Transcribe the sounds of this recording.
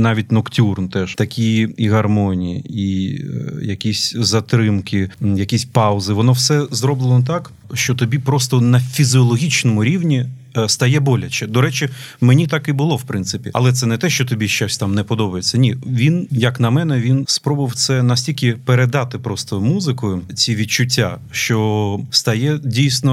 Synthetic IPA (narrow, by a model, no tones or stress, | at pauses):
nɑʋʲit̚ʲnɔktʲurnt̪ɛʃt̪ɐkʲijiɦɐrmɔnʲḭjḭi | jɐkʲisʲzɐt̪ɾɪmkɪjɐkʲisʲpɑʊzɪʋɔnɔwsɛzɾɔblˠɪnɔt̪ɑk | ʃt͡ʃɔt̪ɔbʲipɾɔst̪ɔnɐfʲizʲiɔlˠɔɦʲit͡ʃnɔmʊɾʲiwnʲi | st̪ɐjɛbɔlʲɐt͡ʃɛd̪ɔɾɛt͡ʃɪmenʲit̪ɑkibʊlˠɔwpɾɪnsɪpʲiɐ̰lˠɛt̪sɛnɛt̪ɛʃt͡ʃɔt̪ɔbʲiʃt͡ʃasʲt̪ɑmnɛpɔd̪ɔbɐjet͡sʲːɐnʲiʋʲinjɐknɐmɛnɛʋʲinspɾɔbʊɪwt̪sɛnɐsʲtʲilʲkʲɪpeɾed̪ɑt̪ɪpɾɔst̪ɔmuzɪkʊjʊt͡sʲiʋʲitt͡ʃʊtʲːa̰ | ʃt͡ʃɔst̪ɐjɛdʲijsʲnɔ